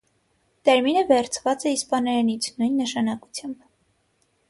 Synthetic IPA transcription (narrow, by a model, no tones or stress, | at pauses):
t̪ɛɾminəvɛɾt͡sʰvɑt͡sɛispɑnɛɾɛnit͡sʰnujnːəʃɑnɑku̥t͡sʰjɑmb